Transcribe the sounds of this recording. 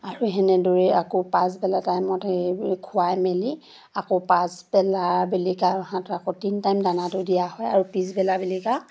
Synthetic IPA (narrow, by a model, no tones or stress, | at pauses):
aɹuɦɛnɛdoɹɛakɔpas̬bɛlatajmɔtkʰʊwajmɛli | akɔpasbɛlabilikaaɦãtʊakotintajmdanatʊdijahɔjaɹupisbɛlabilika